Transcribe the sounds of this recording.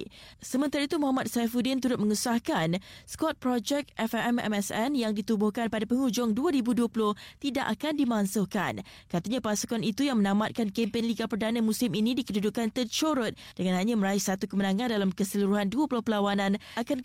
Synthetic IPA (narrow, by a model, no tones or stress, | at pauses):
səmə̃nt̪aɾait̪umɔ̃ɦamat̪̚safudɪnt̪uɾʊt̪̚məŋusahkanskɔt̪̚pɾɔd͡ʒɛk̚ʔɛfɛɛmɛ̰mɛsɛnjaŋdit̪ubʊhkanpadapəŋud͡ʒʊŋduaɾibuduəpulʊht̪idaʔakandimãŋsʊhka̰n | kat̪aɲãpasu̥kɔnit̪ujaŋmə̃nãmat̪̚kankempɪnliɡapərdanamũsɪminĩdikədudukːant̪ət͡ʃoɾʊt̪̚dəŋanɦaɲaməɾaɪsat̪ukəmənãŋãndalamkəsəluɾuɦanduəpulʊhpəlawanãnakan